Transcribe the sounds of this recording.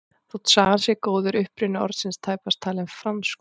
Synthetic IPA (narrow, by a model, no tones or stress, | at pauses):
θut̪saːɣansjɛkoːwðʏɾʏhpɾʏnʏɔ̰ɾt̪sɪnst̪ʰaːjpast̪ʰaːlɛmfɾamsk